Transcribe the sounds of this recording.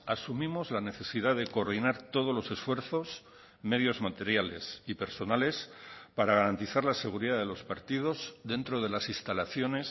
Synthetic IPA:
asumĩmo̞zlane̞θe̞sið̞aðe̞ko̞ːɾð̞inaɾt̪o̞ðo̞zlo̞se̞sfwe̞ɾθo̞s | me̞ðjo̞zmat̪e̞ɾjale̞̰sipe̞ɾso̞nale̞spaɾaɣ̞aɾant̪iθaɾlase̞ɣ̞uɾiðaðe̞lo̞spaɾt̪ið̞o̞zðe̞nt̪ɾo̞ð̞e̞lasist̪alaθjo̞ne̞s

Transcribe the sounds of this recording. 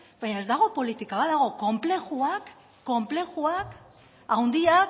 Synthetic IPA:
baɲae̞zd̪aɣ̞o̞po̞lit̪ikaβaðaɣ̞o̞ko̞mple̞xuakː | o̞mple̞xuak | awnd̪ia

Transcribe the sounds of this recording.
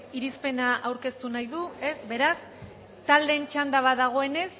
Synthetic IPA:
iɾispe̞naʔawɾke̞st̪unajðue̞sbe̞ɾas | t̪ald̪e̞nt͡ʃand̪aβaðaɣ̞o̞e̞ne̞s

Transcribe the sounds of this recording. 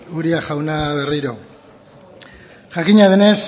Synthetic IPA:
uɾiaʝawnaβe̞riɾo̞ | ʝakiɲaðene̞s

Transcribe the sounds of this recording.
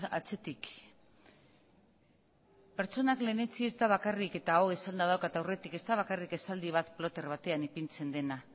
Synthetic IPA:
at͡se̞t̪ik | peɾt͡so̞nakle̞ne̞t͡sie̞zt̪aβ̞akarike̞t̪aoisand̪aðawkat̪awre̞t̪ike̞st̪aβ̞akarike̞sald̪iβ̞at̪plo̞t̪e̞rβat̪e̞anipint͡se̞nd̪e̞na

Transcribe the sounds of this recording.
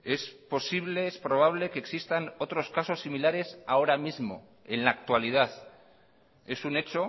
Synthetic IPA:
e̞spo̞siβ̞le̞espɾo̞β̞aβ̞le̞keːksist̪ano̞t̪ɾo̞skaso̞sːimilaɾe̞saoɾamizmo̞̰ | e̞nlaːk̚t̪walið̞aθ | e̞sune̞t͡ʃo̞

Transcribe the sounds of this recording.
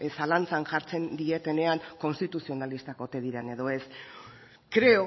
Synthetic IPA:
salant͡sanʝaɾt͡se̞nd̪ie̞t̪e̞ne̞aŋko̞nst̪it̪usio̞nalist̪akot̪e̞ðiɾene̞ðo̞e̞s | kɾe̞o

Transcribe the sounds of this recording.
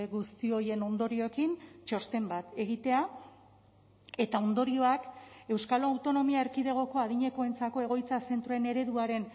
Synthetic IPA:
ɣust̪io̞je̞no̞nd̪o̞ɾio̞ekint͡ʃo̞st̪e̞mbat̪e̞ɣ̞it̪e̞a | e̞t̪ao̞nd̪o̞ɾio̞ake̞wskaloawt̪o̞no̞miaeɾkiðe̞ɣ̞o̞ko̞aðiɲe̞ko̞e̞nt͡sako̞e̞ɣ̞o̞jt͡sase̞nt̪ɾuene̞ɾe̞ðuaɾe̞n

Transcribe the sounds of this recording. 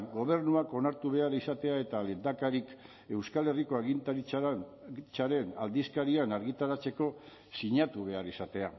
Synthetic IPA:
ɡo̞β̞e̞ɾnuako̞naɾt̪uβe̞aɾisat̪e̞ae̞t̪alend̪akaɾik | e̞wskale̞riko̞aɣint̪ɾ | t͡saɾe̞nald̪iskaɾianaɾɣit̪aɾat͡se̞ko̞ | siɲat̪uβ̞e̞arisat̪e̞a

